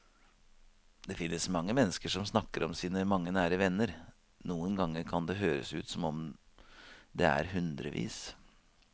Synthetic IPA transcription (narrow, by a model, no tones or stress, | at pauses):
d̪ɛfɪnːəsmɑŋːəmɛnːəskəʂɔmsnɑkːəɾɔmsiːnəmɑŋːənæːɾəʋɛnːəɾ | nuːənɡɑŋːəkʰɑnd̪ɛɦøːɾə̰sʉːt̪sɔmɔm | d̪ɛæ̰ɾɦʉnd̪ɾə̰ʋḭːs